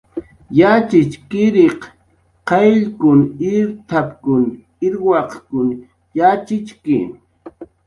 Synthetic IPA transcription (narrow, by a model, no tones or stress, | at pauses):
jat͡ʃɪt͡ʃkɪɾeq | qɑjʎkʊnɪɾt̪ʰapkʊn | ɪɾwɑqkʊn | jat͡ʃɪt͡ʃkɪ̰